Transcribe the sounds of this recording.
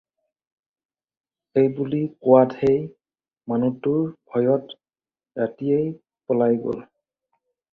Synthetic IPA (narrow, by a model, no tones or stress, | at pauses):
ejbulikʊwadej | manutʊɹbʱɔjɔt | ɹatijej | pɔlajɡo̰l